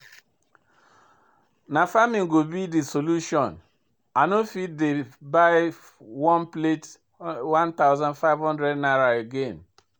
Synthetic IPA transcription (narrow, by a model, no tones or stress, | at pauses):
nafamĩŋ̩ɡobidisoluʃɔ̃n | anofit̚debaɪ | wɔ̃nplet | wãnt̪aʊzãndfaɪvɦɔ̃ndɾɛdnaɾaeɡen